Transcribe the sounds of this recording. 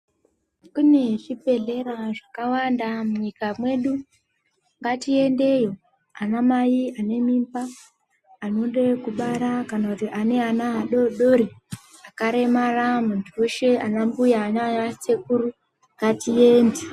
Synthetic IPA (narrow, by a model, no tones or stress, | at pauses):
kune̞ʐipe̞ɮe̞ɾaʐakawandamuɲikamwe̞ɗu | ŋɡatie̞nde̞jo̞ | anamajiane̞mimbaː | nonde̞kuɓaɾakanakutiʔane̞anaaɗo̞ɗo̞ɾi | akaɾe̞maramuntʰuwe̞ʃe̞anambujaːnajase̞k̚uru | ŋɡatie̞ːnde